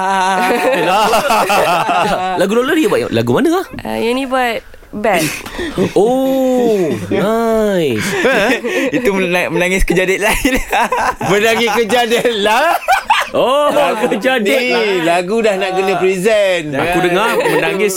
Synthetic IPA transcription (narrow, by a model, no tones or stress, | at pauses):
a | la | laɡudolədiəbaʔla̰ɡumanəaha̰jɛnĩbat̚ | bɛ | o | aj | it̪umənaŋɪskəd͡ʒadit̪̚lainbənaŋiʔkəd͡ʒadɛtla | okəd͡ʒadilaɡudahnaʔkənə̃pɾizɛna̰kudəŋamənaŋɪs